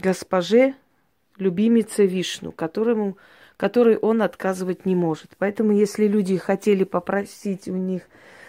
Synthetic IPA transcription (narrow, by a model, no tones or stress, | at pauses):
ɡəspɐʐɨ | lʲʉbʲimʲɪt̪səvʲiʂnʊ̰kɐt̪ɾɨmʊ | kɐt̪o̞ɾɨjʔo̞nɐt̪kazɨvətʲnʲɪmo̞ʐɨt̪pɐɛt̪əmʊjesʲlʲɪlʲudʲɪxɐtʲelʲɪpəpɾɐsʲitʲʊnʲix